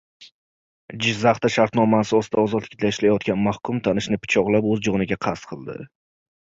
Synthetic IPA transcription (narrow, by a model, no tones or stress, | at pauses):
d͡ʒɪzaχt̪aʃaɾt̪nɒmasɪɒsɪd̪aɒzɒd̪lɪk̚ʲd̪aɪʃlajɒt̪̚ɡʲanmahkʰʊmt̪ʰanɪʃnɪpʰʊ̥t͡ʃʰɒʁlˠapɵzd͡ʒɒnɪɡʲaqʰast̪qʰɨlˠd̪ɪ̰